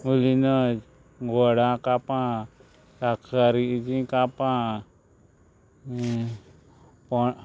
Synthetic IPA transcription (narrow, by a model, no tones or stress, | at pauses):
ulinəd͡ʒ | ɡɔɽakapã | sakʰaɾid͡ʒĩkapã | pɔ